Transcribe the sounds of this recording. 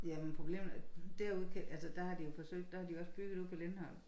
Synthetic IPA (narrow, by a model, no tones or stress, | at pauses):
jæmenpʰʁo̝b̥le̝̰ːmd̥æɐ̰uð̞̰ˠkʰæʔælsəd̥æhɑ̈d̥ijo̝fɒ̽sø̰ɡ̥̚d̥ɑhɑ̈d̥ijo̝ɒ̽sb̥yɡ̥ð̩ˠuð̰ˠpʰɒ̽lenhɒ̽l̰